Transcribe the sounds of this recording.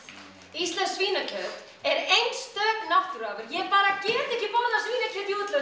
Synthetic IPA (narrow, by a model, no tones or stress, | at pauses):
ist̪lɛnsːviːnacʰœt̪ | ɛɾejnst̪œːknaht̪ʏɾaːvʏɾjɛpaːɾacɛːt̪ɛhcɪpɔnasviːnacʰœt̪iut̪lʏ